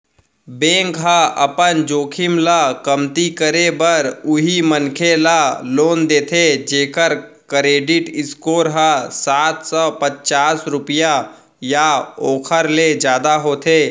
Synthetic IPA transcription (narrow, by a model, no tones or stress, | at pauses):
bẽːŋkɦaʔɐpənd͡ʒoːkʰɪmlakəmt̪ikəɾebəɾʊɦimənkʰelaloːnd̪eːt̪ʰed͡ʒeːkəɾ | kɾeːɖɪʈɪskoːɾɦasaːt̪ʰsɔːpət͡ʃaːsɾʊpɪja | jaoːkʰəɾled͡ʒjaːd̪aɦoːt̪ʰeː